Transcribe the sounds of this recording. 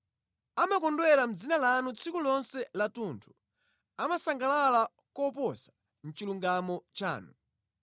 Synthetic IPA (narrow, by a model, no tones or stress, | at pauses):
amakɔndwɛɾam̩d͡zinalanut͡sʰikulɔnsɛlatuntʰu̥ | amasaŋɡalala | kɔpɔsḁ | n̩t͡ʃiluŋɡamɔt͡ʃa̰ːnu